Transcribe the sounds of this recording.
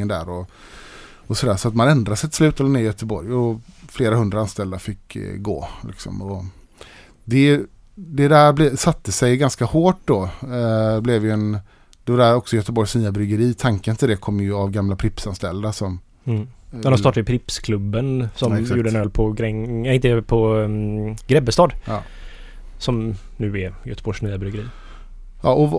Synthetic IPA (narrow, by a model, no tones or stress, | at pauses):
ənd̪æ̰ːɾɔ | ɔsɔd̪æːʂɔat̪manɛnd̪ɾasɛjt̪ʰɪ̥slʉ̟ːt̪ɛlɛneːɾjœt̪əbɔɾjɔfleːɾahɵnd̪ɾaanst̪ɛld̪afɪkːɡo̰ːlʔɪ̰ksɔ̰mɔ | d̪ɛ | d̪ɛd̪æːɾblɛsat̪ːəsɛjɡanskahoːʈ̚d̪ɔ | blɛvjɵɛn | d̪̥ɛvadæɾɔksɔjœt̪əbɔɾjʂniːabɾʏɡəɾiːt̪ʰaŋkənt̪ʰɪld̪ɛkʰɔmːjɵavɡamlapʰɾɪpsanst̪ɛ̰ld̪asɔm | d̪ɛnhaɾst̪ɑːʈaɪpʰɾɪpskʰlɵbːənsɔmjuːɖəɛnøːlpʰɔɡɾɛŋɪnt̪əɛpʰɔ | ɡɾɛbːəst̪ɑːd̪ | sɔm | nʉ̟ːɛjœ̰t̪əbɔjʂniːabɾʏɡəɾḭː | jɑːʔɔ